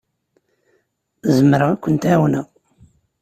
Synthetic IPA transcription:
zəmɾakʷːənt̪æwnəʁ

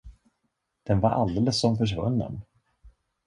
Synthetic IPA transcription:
d̪̥ɛnvaɾʔa̰ld̪eːləsːɔmfœʂ̬vɵnːə̰n

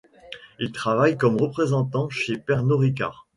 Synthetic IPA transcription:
ilt̪χavajkɔmʁəpχezɑ̃t̪ɑ̃ʃepɛʁnoʁik̬a̰ʁ

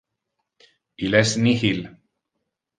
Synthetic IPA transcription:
ilesnihil

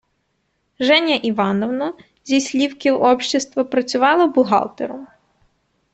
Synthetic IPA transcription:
ʒɛnʲɐʔiʋɑnɔʋnɔ | zʲisʲlʲiwkɪwɔpʃʲt͡ʃɪst̪ʋɐpɾɐt͡sʲʊʋɑlˠɔbʊɦɑ̰lˠt̪eɾɔm

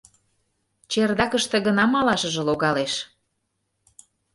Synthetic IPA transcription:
t͡ɕerd̪ɑkəʃt̪ĕɣə̆nɑmɑlɑʃə̆ʒĕloɣɑleʃ

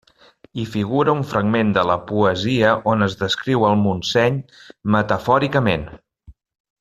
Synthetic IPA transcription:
ifiɣ̞uɾəuɱfɾəɡmend̪ələpuəziəʔonəzðəskɾiwəlˠmunsɛɲmət̪əfɔɾikəmen

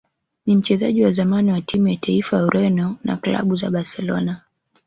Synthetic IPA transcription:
nim̩t͡ʃɛzaʄiwazamaniwatimujatʰaifajauɾɛnɔna̰kla̰ɓuza̰ɓasɛlɔ̰na

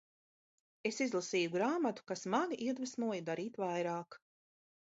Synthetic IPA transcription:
e̞sizlˠasiːjuɡɾaːmat̪u̥kasmaɡʲiʔiɛd̪vɨsnuɔjid̪aɾiːt̪vajɾaːk

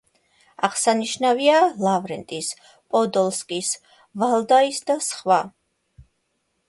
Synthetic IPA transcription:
aʁsaniʃnavialavɾɛnt̪ʼis | pʼɔd̪ɔlˠskʼis | valˠd̪aisd̪asχwa

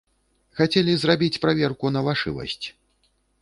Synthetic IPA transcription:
xat͡sʲɛlʲizrabʲit͡sʲpɾavʲɛrkunɐvaʂɨ̰vɐ̰sʲt͡sʲ

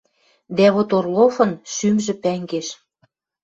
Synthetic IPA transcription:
d̪æβot̪orlofɤ̆nʃymʒĕpæŋɡeʃ

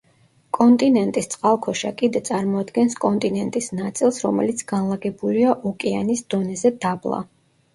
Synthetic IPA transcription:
kʼɔnt̪ʼinɛnt̪ʼist̪sʼqʼalˠkʰɔʃa̰kʼid̪ɛt̪sʼaɾmɔad̪ɡɛnskʼɔnt̪ʼinɛnt̪ʼisnat̪sʼilˠsɾɔmɛ̰lit̪sʰɡ̥anlˠaɡɛbuliaʔɔkʼɛa̰nisd̪̥ɔnɛzɛd̪ablˠa̰

